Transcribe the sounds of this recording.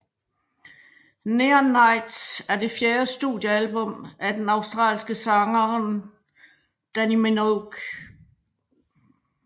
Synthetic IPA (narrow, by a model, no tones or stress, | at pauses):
neɐnːɑ̈ɪ̰d̥sæɐd̥e̝fjeːɐsd̥ṵðˠjəælb̥ɔ̽m̰æd̥enɑ̈ʊsd̥ʁɑ̰ːlsɡ̥əsɑ̈ŋɐn | d̥ænimenoɡ̥